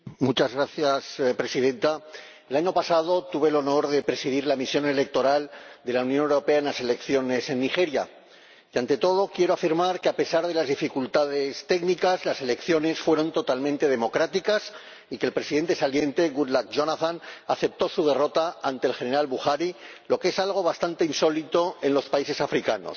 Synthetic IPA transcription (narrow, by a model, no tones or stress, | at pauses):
mut͡ʃazɣɾaθjaspɾe̞siðẽ̞nt̪a | elaɲo̞pasað̞o̞t̪uβe̞lo̞no̞ɾðe̞pɾe̞siðiɾlamisjo̞ne̞le̞k̚t̪o̞ɾald̪e̞launjonewɾo̞pe̞aenlase̞le̞kθjo̞ne̞se̞nːixe̞ɾja | jiant̪e̞t̪o̞ð̞o̞kje̞ɾo̞afiɾmaɾkeape̞saɾð̞e̞lazðifikult̪aðe̞st̪e̞knikazlase̞le̞kθjo̞ne̞sfwe̞ɾo̞nt̪o̞t̪almẽnt̪e̞ð̞e̞mo̞kɾat̪ikas | ikelpɾe̞siðe̞nt̪e̞salje̞nt̪e̞ɣuðlakʒo̞naθanaθe̞p̚t̪o̞suð̞e̞ro̞t̪aant̪e̞ːlxe̞ne̞ɾalβuxaɾi | lo̞kee̞salɣ̞o̞βast̪ant̪e̞inso̞lit̪o̞e̞nlo̞spaise̞safɾikano̞̰s